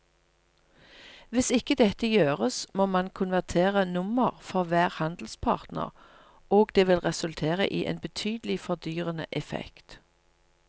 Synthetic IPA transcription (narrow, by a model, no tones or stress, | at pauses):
ʋɪsɪkəd̪ɛt̪əjøːʁəsmoːmɑnkʰʊnʋæʁt̪ʰeːʁənʊməʁfɔʁʋæːʁhɑnd̪l̩spʰɑ̰ːʁt̪nə̰ʁ | oːɡd̪eːʋɪlʁɛsʉlt̪ʰeːʁə̰ʔiːʔḛːnbət̪ʰyːd̪əlɪfɔd̪yːʁənə̰ʔɛfɛ̰kt̪